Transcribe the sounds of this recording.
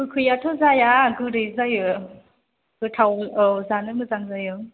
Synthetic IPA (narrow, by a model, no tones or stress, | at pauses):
mɯkʰɯjatʰɔzajaɡɯɾɯjzajɯ | ɡ̥ɯt̪ʰawɯzanɯmɯzaŋzajɯ